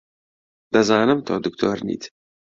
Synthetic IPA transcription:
d̪ɐzɑːnɨmt̪ʰo̰ːd̪ukt̪ʰo̰ːɾnḭːt̪

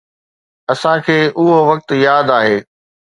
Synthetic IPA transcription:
ɐsãkʰeːʔʊɦoʋɐk̚t̪jaːd̪aːɦeː

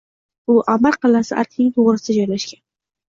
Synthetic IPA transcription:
ʊʔamaɾqʰɨlasɪʔa̰ɾkʲnɪŋt̪ʰoʁɾɪsɪd̪ad͡ʒɒjlaʃkʲan

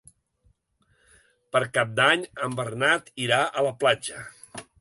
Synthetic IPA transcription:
pəɾkap̚d̪aɲəmbəɾnat̪iɾaʔələplad͡ʒə

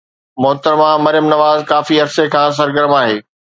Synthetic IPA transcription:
mʊɦt̪əɾmãmɐɾɪjəmnɐʋaːzkaːfiɐɾsekʰãːs̬ɐɾɡəɾmaːɦeː

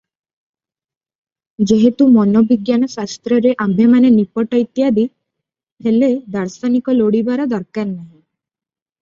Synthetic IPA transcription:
d͡ʒeɦet̪umɔnɔbiɡjanɔsast̪ɾɔɾeʔambʱemanenipɔʈajt̪jad̪i | heled̪aɾsanikɔloɽibaɾɔd̪ɔɾkaɾnaɦĩ

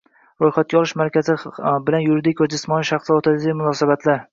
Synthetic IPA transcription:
ɾojχat̪̚kʲaɒlˠɪʃmaɾkʲʰazɪbɪlanjʊɾɪd̪ɪkʰozd͡ʒɪsmɒnɪʃaχsot̪ʰad̪ɡʲmʊnɒsabat̪ʰlaɾ

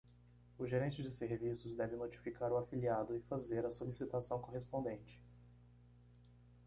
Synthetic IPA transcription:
ʊʒeɾẽnt͡ʃɪd͡ʒɪseɦvisʊzd̪ɛvɪnot͡ʃi̥fikaɾʊafiliad̪ʊɪfazeɾɐsolisit̪asɐ̃w̃koɦespõnd̪ẽnt͡ʃɪ̥

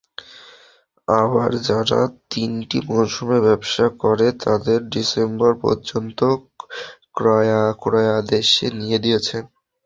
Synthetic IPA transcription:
abaɾd͡ʑaɾa̰t̪inʈimowʃumebɛbʃakoɾet̪ad̪eɾɖisembɔɾpɔ̰ɾd͡ʑont̪o | kɾaakɾajad̪eʃenijed̪ijet͡ɕʰen

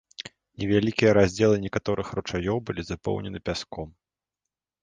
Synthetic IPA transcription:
nʲɛvʲalʲikʲijɐɾazʲd͡zʲɛlˠɨnʲɛkat̪ɔɾʔɨxrut͡ʂajɔwbɨlʲizapɔ̰wnʲɛnɨpʲaskɔm

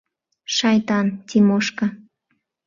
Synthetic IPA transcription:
ʃajt̪ant̪ɪmoʃkɑ

